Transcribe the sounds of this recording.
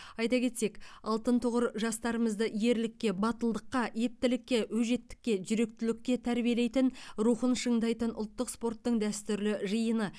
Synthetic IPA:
ɑjt̪ɑkʲʰe̞t̪se̞kɑlˠt̪ənt̪ʰʊʁəɾʒɑst̪ɑɾəməzd̪əʔje̞ɾlɪkʲːe̞bɑt̪əlˠd̪əqːɑe̞p̚t̪ɪlɪkʲːe̞wɵʒe̞t̪ːɪ̥kʲːe̞ʒʏɾe̞k̚t̪ɪlɪkʲːe̞t̪ʰæɾbijele̞jt̪ɪnɾuχənʃəɴd̪ɑjt̪ənʔʊlˠt̪ːəqspo̞rt̪ːəɴd̪æst̪ʏɾlɪʒəjənə

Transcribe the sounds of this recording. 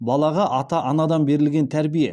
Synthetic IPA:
bɑlˠɑʁɑʔɑt̪ɑʔɑnɑd̪ɑnbe̞ɾɪlɡʲe̞nt̪ʰæɾbijḛ

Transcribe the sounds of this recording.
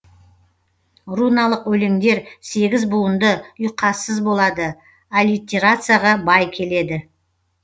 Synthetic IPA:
runɑlˠəqwɵleŋd̪e̞ɾse̞ɡʲɪzbuənd̪əʏjqʰːɑsːəzbo̞lˠɑd̪ə | alʲit̪ʲːeɾat̪sɨjaʁɑbɑjkʲʰe̞le̞d̪ɪ

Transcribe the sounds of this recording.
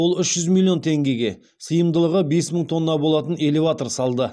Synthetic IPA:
olˠʏʃʒ̥ʏzmʲilʲˠːio̞nt̪ʰe̞ŋɡʲe̞ɡʲe̞ | səjəmd̪əlˠəʁəbe̞sməɴt̪ʰo̞nːɑbo̞lˠɑt̪ənele̞vat̪o̞rsɑlˠd̪ə

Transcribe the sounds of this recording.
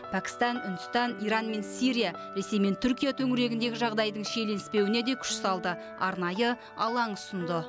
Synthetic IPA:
pʰækʲɪ̥st̪ɑnʏnd̪ʊst̪ɑnijɾɑnme̞nsiɾʲija | ɾe̞se̞jme̞nt̪ʰʏɾkʲijat̪ʰɵŋɪɾe̞ɡʲɪnd̪e̞ɡʲɪʒɑʁd̪ɑjd̪əɴʃe̞le̞nɪspe̞wɪne̞d̪e̞kʲʰʏ̥ʃsɑlˠd̪ə | ɑɾnɑjə | ɑlˠɑɴʊsənd̪ə

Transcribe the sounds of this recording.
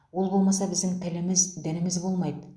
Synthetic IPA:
wo̞lˠbo̞lˠmɑsɑbɪzd̪ɪŋt̪ʰɪlɪmɪzd̪ænɪmɪzbo̞lˠmɑjd̪ə

